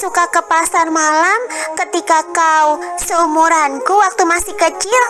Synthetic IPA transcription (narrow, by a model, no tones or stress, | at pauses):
sukakəpasarmalamkət̪ikakausəumuɾankuwak̚t̪umasɪhkət͡ʃɪl